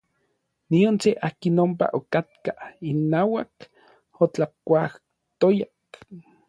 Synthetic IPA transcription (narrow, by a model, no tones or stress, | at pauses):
niont͡seʔaːkinompa̰ʔokat̪̚kainːaːwak | ot͡ɬakʷah | t̪ojak